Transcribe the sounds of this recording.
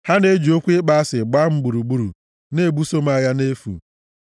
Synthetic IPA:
ha˦ne˦d͡ʒo˦kʷe˦k͡pa˦a˦sɪ˨ɡ͡ba˦m̩˦ɡ͡bu˨ɾu˨ɡ͡bu˨ɾṵ˨ | ne˦˨bu˦so˦m˦a˨ja˦ne˦fṵ˨

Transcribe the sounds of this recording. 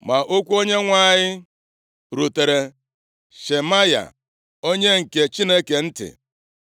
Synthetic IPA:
ma˨ʔo˦kʷu˦o˦ɲe˦ŋʷa˦˨ɲɪ˦ | ɾu˨te˨ɾe˨ | ʃe˨ma˦ja̰˨ | o˦ɲe˦ŋ̩˨ke˨t͡ʃi˦ne˦ke˨n̩˦tɪ̰˨

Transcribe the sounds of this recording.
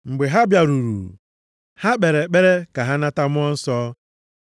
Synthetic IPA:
ŋ͡m̩˨ɡ͡be˨ɦa˦bja˨ɾu˨ɾṵ˨ɾṵ˨ | ha˦k͡pe˨ɾe˨k͡pe˦ɾe˦ka˨ɦa˦na˦ta˦mʊ˦ɔ˦n̩˦sɔː˦

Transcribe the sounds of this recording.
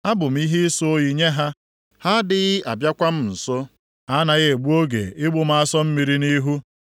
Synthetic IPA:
a˦bʊ˨m̩˦i˦ɦi˦so˦i˨ɲe˦ɦa˦ | ha˦dɪ˦ɣɪ˦a˨bja˦kʷa˦m̩˦n̩˨sɔ˦ | ha˦na˨ɣe˦˨e˨ɡ͡bu˦o˦ɡḛ˨ɪ˦ɡ͡bʊ˨m̩˦a˦sɔ˦m̩˦mi˨ɾi˦ni˦ɦu˦

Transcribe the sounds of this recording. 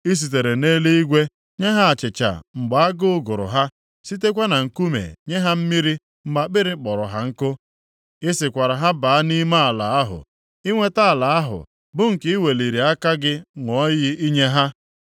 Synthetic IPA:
i˦s̬i˨t̬e˨ɾe˨ne˦le˦i˦ɡʷe˦ | ɲe˦ɦa˦a˨t͡ʃɪ˨t͡ʃa̰˨ŋ͡m̩˨ɡ͡ba˨a˦ɡʊ˦ʊ˦ɡʊ˨ɾʊ̰˨ɦa˦ | si˦te˦kʷa˦na˨ŋ̩˨ku˦mḛ˨ɲe˦ɦa˦m̩˦mi˦ɾi˦ | m̩˦ma˨k͡pɪ˦ɾɪ˦k͡pɔ˨ɾʊ˨ɦa˦ŋ̩˦kʊ˦ | ɪ˦sɪ˨kʷa˨ɾa˨ɦa˦ba˨˦a˦ni˦ma˦a˨la˨a˦ɦʊ̰˨ | i˦ŋʷe˦ta˦a˨la˨a˦ɦʊ̰˨ | bʊ˦ŋ̩˨kɪ˦i˦we˨li˨ɾi˨a˦ka˦ɡɪ˦ŋʷɔ˦jɪ˦i˦ɲe˦ɦa˦

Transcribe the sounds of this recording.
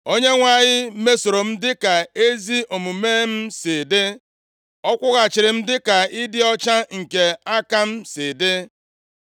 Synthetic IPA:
o˦ɲe˦ŋʷa˨ɲɪ˦me˦so˨ɾo˨m̩˦dɪ˦ka˨e˦zi˦o˨mu˨meː˦m̩˦sɪ˨dɪ˦ | ɔ˦kʷʊ˦ɣa˨t͡ʃɪ˨ɾɪ˨m̩˦dɪ˦ka˨ɪ˦dɪ˦ɔ˦t͡ʃa˦ŋ̩˨ke˨a˦ka˦m̩˦sɪ˨dɪ˦

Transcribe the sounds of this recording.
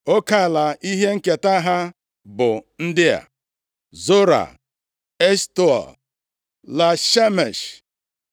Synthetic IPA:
o˦ka˦˨la˨ʔi˦ɦe˦ŋ̩˦ke˨ta˦ɦa˦ | bʊ˨n̩˦dɪ˦a̰˨ | zo˦ɾa̰˨ | e˦stu˦ɔ̰˨l | la˨ʃe˦me˨ʃ

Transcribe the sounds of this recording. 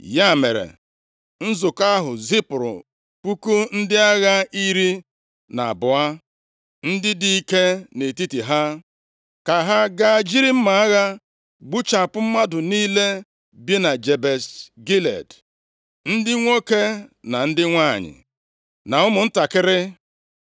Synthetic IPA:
ja˦˨mḛ˨ɾḛ˨ | n̩˦zʊ˨ka˦ɦʊ˨zi˦pɾʊ̰˨ | pu˦ku˦n̩˦dɪ˦a˦ɣa˦i˦ɾi˦ | na̰˨a˨bʊ˨a˦ | n̩˦dɪ˦di˦i˦ke˦ne˨ti˦ti˨ɦa˦ | ka˨ɦa˦ɡa˦˨d͡ʒi˦ɾi˦m̩˦ma˨a˦ɣa˦ | ɡ͡bu˦t͡ʃa˨pʊ˦m̩˦ma˦dʊ˨niː˦le˦ | bje˦na˨d͡ʒe˨be˨sɡi˦lḛ˨d | n̩˦dɪ˦ŋʷo˦ke˦na˨n̩˦dɪ˦ŋʷa˦˨ɲɪ̰˨ | na˨ʊ˦mʊ˨n̩˦ta˨kɪ˦ɾɪ˦

